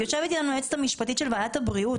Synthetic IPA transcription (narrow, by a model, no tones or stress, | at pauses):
ot͡ʃevit̪ilanoet͡st̪amiʃpat̪it̪ʃelvajat̪abʁiut̪